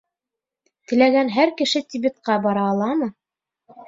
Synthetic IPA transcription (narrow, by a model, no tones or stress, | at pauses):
t̪ɘ̆læɡænɦæɾkɘ̆ʃɘt̪ʲibɘ̆t̪̚qɑbɑɾɑːlˠɑmɤ